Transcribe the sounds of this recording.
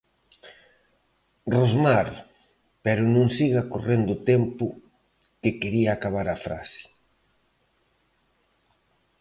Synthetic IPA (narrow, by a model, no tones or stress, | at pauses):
rozmaɾ | pɛɾʊnõŋsiɣakorend̪ʊt̪ɛmpʊ | kekeɾiaːkaβaɾafɾa̰sɪ̥